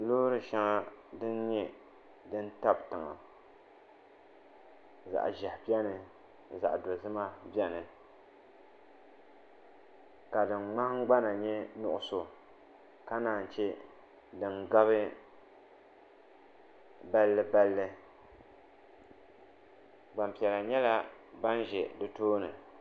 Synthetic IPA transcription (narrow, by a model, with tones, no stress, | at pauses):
loː˦ɾɨ˨ʃa˦ŋa˦dɨ˦n˦ɲɛ˦ | dɨ˦n̩˦ta˦btɨ˨ŋa̰˨ | za̰˨ʔʒɛ˨hbɛ˦nɨ˨ | za̰˨ʔdo˨zɨ˦ma˦bjɛ˦nɨ˨ | ka˨dɨ˨ŋ͡mŋ͡ma˦ɡ͡ba˦na˨ɲɛ˦nʊ˦ʔʊ˦so˨ | ka˦naː˨n̩˨t͡ʃɛ˦ | dɨ˨ŋɡa˦βɨ˦ | ba˨lːɨ˨ba˨lːɨ˨ | ɡ͡ba˨mpi˨ɛ˨la˨ɲɛ˦la˦ | ba˦n˦ʒɛ˨dɨ˦toː˦nɨ˨